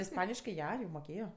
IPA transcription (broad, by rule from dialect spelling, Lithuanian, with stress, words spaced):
ɪsˈpɑːnʲɪʃkɜ ˈjɛ jɛʊ moːˈkʲeːjoː